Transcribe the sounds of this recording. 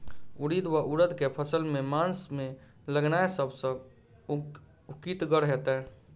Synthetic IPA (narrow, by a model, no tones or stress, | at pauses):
uɽid̪waʔuɾəd̪kepʰəsəlmemansme | ləɡnaesəbsə̃ | ukit̪ɡəɾɦɛt̪ɛ